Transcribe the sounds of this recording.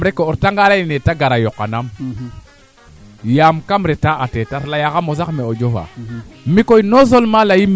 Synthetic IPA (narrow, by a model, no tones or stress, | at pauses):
ɾekooɾtaŋɡalainetaɡaɾajokːanam | jamkamɾetaʔatetatlajakamozakmeod͡ʒofa̰mikojinoz̬olmalajim